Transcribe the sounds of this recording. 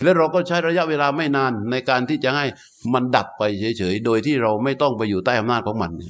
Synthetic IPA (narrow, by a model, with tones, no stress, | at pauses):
lɛ˦˥wɾa˧wkɔː˥˩t͡ɕʰa˦˥jɾa˧ja˦˥ʔweː˧laː˧ma˥˩jnaː˧nːa˧jkaː˧nt̪ʰiː˥˩t͡ɕa˨˩ha˥˩j | ma˧nda˨˩p̚ːa˧jt͡ɕʰɤː˨˦jt͡ɕʰɤː˩˦jdoː˧jt̪ʰiː˥˩ɾa˧wma˥˩jt̪ɔ˥˩ŋpa˧jːuː˨˩t̪aː˥˩jʔa˧mnaː˥˩kʰɔː˩˦ŋma˧nːi˧˩